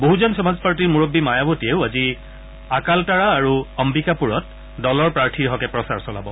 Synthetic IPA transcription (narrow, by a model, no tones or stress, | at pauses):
boɦuzɔnsɔmazpaɹtiɹmuɹobːimajabotieʊazi | akaltaɹaːɹuɔmbikapuɹɔt̚ | dɔlɔɹpɹaɹtʰiɦɔkɛpɹɔsaɹsɔla̰bɔ